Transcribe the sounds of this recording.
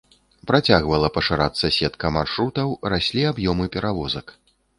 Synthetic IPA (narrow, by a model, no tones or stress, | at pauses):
pɾat͡sʲaɣvɐlˠɐpɐʂɨɾat̪sːɐsʲɛt̪kɐmarʂɾut̪ɐwrasʲlʲiabjɔmɨpʲɛɾavɔzɐk